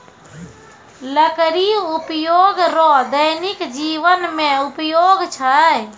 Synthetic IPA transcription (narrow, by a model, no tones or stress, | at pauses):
ləkɾiʊpjoːɡɾɔd̪əɦnɪkd͡ʒiːʋənmẽʊpjoːɡt͡ʃʰa